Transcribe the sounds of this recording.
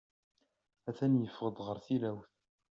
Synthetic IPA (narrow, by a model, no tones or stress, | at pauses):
æθænjəfəʁəd̪ʁəɾθilæwθ